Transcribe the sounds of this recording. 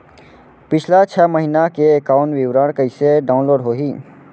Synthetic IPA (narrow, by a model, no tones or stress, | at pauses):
pɪt͡ʃʰlat͡ʃʰɛməɦinakeekaːʊɳʋɪʋɾəɽkəɪseɖaːʊnloːɖɦoːɦiː